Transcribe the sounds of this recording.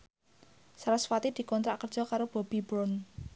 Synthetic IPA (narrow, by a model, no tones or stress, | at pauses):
saɾaswat̪id̪̥i̤kɔnt̪ɾaʔkərd̥ʒ̥ɔ̤kaɾob̥ɔ̤b̥i̤bɾɔn